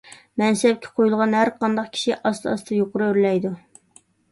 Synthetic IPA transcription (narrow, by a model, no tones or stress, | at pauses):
mɛnsɛp̚kʲʰːɛ̥qʰojulˠʁɑnhæɾqɑnd̪ɑqkʲʰi̥ʃiʔɑst̪ʰɑɑst̪ʰɨjoqʊɾuøɾlɛjd̪u